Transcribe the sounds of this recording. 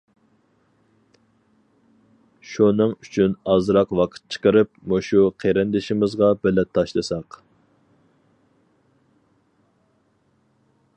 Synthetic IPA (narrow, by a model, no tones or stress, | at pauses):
ʃunɨŋyt͡ʃʰynɑzɾɑqwɑqʰə̥t̪̚t͡ʃʰə̥qəɾɨp̚moʃuqʰeɾɪnd̪ɪʃɪmɪzʁɑbɪlɛt̪ʰːɑʃlˠɨsɑq